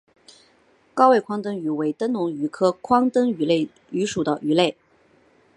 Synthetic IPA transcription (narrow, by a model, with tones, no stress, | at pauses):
kɑ˥ʊwe˥˩ɪkʰwɑ˥ŋt̪ə˥ŋy˧˥we˧˥ɪt̪ə˥nnʊ˧˥ŋy˧˥kʰɤ˥kʰwɑ˥ŋt̪ə˥ŋy˧˥le˥˩ɪ | y˧˥ʂu˨˩d̪ə˦ʔy˧˥le˥˩ɪ